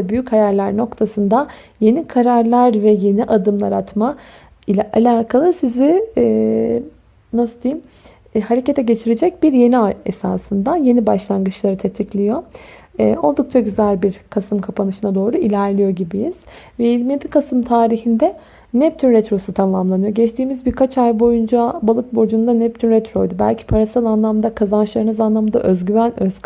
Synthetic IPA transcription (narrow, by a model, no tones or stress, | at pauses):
byjychajaɾlʲˠæɾno̞kt̪ʰasɯnd̪a | je̞nikʰaɾaɾlˠaɾvɛje̞niʔad̪ɯmlˠa̰ɾat̪ma | ilʲɛʔalʲaːkʰalˠɯsizɪ | nasɯd̪ijim | haɾe̞cet̪ʰɛɟe̞t͡ʃʰiɾed͡ʒɛc̚b̥iɾje̞niaḛsa̰ːsɯnd̪aje̞nibaʃlˠanɡɯt͡ʃlˠaɾɯt̪ʰet̪ʰiclʲijo̞ɛʔo̞lˠd̪uk̚t͡ʃʰaɟyzælʲbiɾkʰasɯmkʰapʰanɯʃɯnad̪o̞ːɾuilʲæɾlʲijo̞ɟibijiz̥vɛilʲmijet̪ʰikʰasɯmt̪ʰaːɾihind̪ɛ | nɛp̚t̪ʰyɾːɛt̪ɾo̞sut̪ʰamamlˠanɯjo̞ɟɛt͡ʃt̪ʰiːmizbiɾkʰat͡ʃʰajbo̞jund͡ʒabalˠɯk̚bo̞d͡ʒund̪anɛp̚t̪ʰyɾɾɛt̪ɾo̞jd̪ubæ̰lʲcʰi̥pʰaɾasalˠanlˠamd̪akʰazanɯʃlˠaɾɯnɯzanlˠamnd̪a̰ʔøzɟyvænøz̥